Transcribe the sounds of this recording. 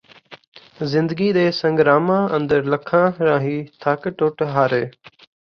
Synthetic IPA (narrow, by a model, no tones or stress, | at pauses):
zɪ̃nd̪əɡiːɗ̪eːsə̃ŋɡɾaːmãːʔə̃nd̪əɾləkʰãːɾãːɦiːt̪ʰaːkəʈoːʈɦaːɾeː